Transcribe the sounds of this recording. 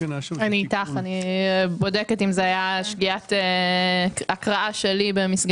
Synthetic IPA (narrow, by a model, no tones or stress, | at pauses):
anit̪aχanibo̞deketimzeajaʃɡiat̪e | akʁaʔaʃe̞libemisɡ